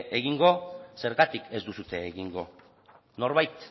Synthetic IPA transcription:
ʔeɣiŋɡo̞se̞ɾɣat̪ike̞zd̪usut̪e̞ːɣiŋɡo̞̰ | no̞ɾβajt̪

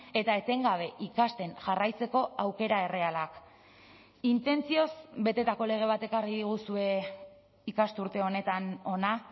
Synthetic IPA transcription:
e̞t̪aet͡se̞ŋɡaβ̞e̞ʔikast̪e̞nʝarajt͡se̞ko̞awke̞ɾae̞re̞alak | int̪e̞nt͡sio̞sbe̞t̪e̞t̪ako̞le̞ɣ̞e̞β̞at̪e̞kariðiɣ̞usue̞ | ikast̪uɾt̪e̞o̞ne̞t̪ano̞na

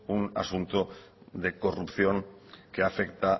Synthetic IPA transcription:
una̰sunt̪oðekorupθjo̞ŋkeafekt̪a

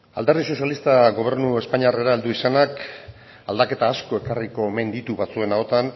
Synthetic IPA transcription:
a̰ld̪eɾðiso̞sjalist̪aɡo̞β̞e̞ɾnue̞spaɲiare̞ɾaeld̪uisanak | ald̪ake̞t̪aːsko̞e̞kariko̞emend̪it̪uβat͡sue̞nao̞t̪an

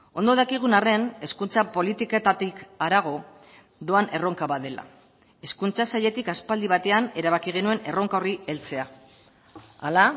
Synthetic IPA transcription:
o̞nd̪o̞ð̞akiɣ̞unare̞ne̞skunt͡sapo̞lit̪iket̪at̪ikaɾaɣ̞o̞ | ðo̞ane̞ro̞ŋkaβaðe̞la̰ | e̞skunt͡sasaʎe̞t̪ikaspald̪iβat̪e̞ane̞ɾaβ̞akiɣ̞e̞nue̞ne̞ro̞ŋkaorie̞lt͡se̞a | ala

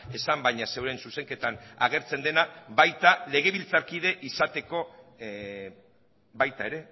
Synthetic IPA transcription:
e̞sambajɲase̞wɾe̞nsuse̞ŋke̞t̪ana̰ɣ̞e̞ɾt͡se̞nd̪e̞naβajt̪ale̞ɣe̞βilt͡saɾkið̞e̞ʔisat̪e̞ko̞ | bajt̪aeɾe̞

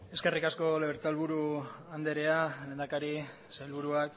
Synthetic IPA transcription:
e̞ske̞rikasko̞leβeɾt͡salβuɾuand̪e̞ɾe̞ale̞ːnd̪akaɾi | sajlβuɾuak

